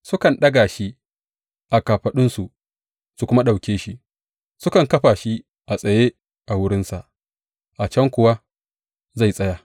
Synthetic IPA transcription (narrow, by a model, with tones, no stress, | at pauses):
sʊ˦kɐ˨nɗɐ˦ɡaː˨ʃi˦ | ʔa˨kaː˨ɸɐ˨ɗʊ˦nsu˨ʔ | su˨kʷʊ˦ma˦ɗa˨wkʲeː˦ʃi˦ | sʊ˦kɐ˨ŋkɐ˦ɸaː˨ʃi˦ | ʔa˨sʼɐ˨je˦ | ʔa˨wʊ˦ɾɪ˦nsa˨ʔ | ʔa˨t͡ʃɐ˦ŋkʷʊ˨wa˦ | za˦˨jsʼɐ˦jaː˨